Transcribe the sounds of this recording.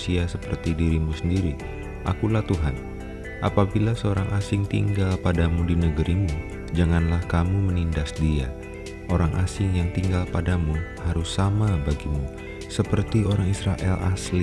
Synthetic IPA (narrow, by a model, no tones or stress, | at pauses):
siasəpərt̪idiɾimusəndiɾi | ʔa̰kulaht̪uɦan | ʔapabilasəoɾaŋʔasɪŋt̪ḭŋɡalpadamudinəɡəɾimu | d͡ʒaŋanlahkamumənindasdia̰ | ʔoɾaŋʔasɪŋjaŋt̪iŋɡalpadamuhaɾʊsːamabaɡimu | səpərt̪ioɾaŋisɾaʔɛla̰sli